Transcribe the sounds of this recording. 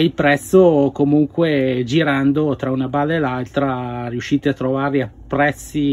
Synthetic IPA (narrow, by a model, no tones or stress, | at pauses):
ilpɾɛt̪sːokomuŋkwed͡ʒiɾand̪ot̪ɾaunabaːlaelalt̪ɾariuʃːiːt̪eat̪ːɾovarliapːɾɛt̪sːi